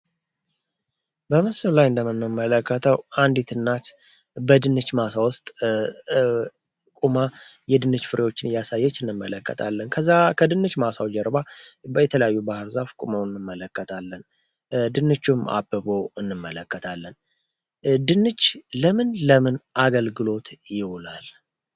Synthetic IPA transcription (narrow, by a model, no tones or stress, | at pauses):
bəmɨsɨllajɨnd̪əmɨnːɨmːələkːət̪ʰəwand̪it̪ʰɨnːat̪ | bəd̪ɨnːɨt͡ʃːmasawʊst̪ʼ | kʼumajɛd̪ɨnɨt͡ʃːfɨɾewo̞t͡ʃːɪnjasajːɛt͡ʃːɨnːɨmːələkːə̰t̪ʰalːənkʰəzːakʰəd̪ɨnːɨt͡ʃːmasawd͡ʒɛɾbabəjɛt̪ʰələjajːubahɨɾzafkʼuməwɨnːɨmːələkːət̪ʰalːən | d̪ɨnːɨt͡ʃːuma̰bːəboɨnːɨmːələkːət̪ʰalːən | d̪ɨnːɨt͡ʃːləmɨnləmɨnʔaɡəlɡɨlo̞t̪jɪwʊlal